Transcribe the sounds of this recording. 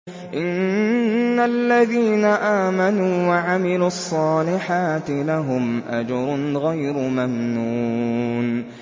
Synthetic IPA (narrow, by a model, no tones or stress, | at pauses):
ʔɪnnː | alːaðiːnaʔaːmanuːwaʕamɪluɑsˤːɑːlɪħaːt̪ɪlaɦʊmʔa̰d͡ʒɑɾˤʊɣajɾʊmamnuːn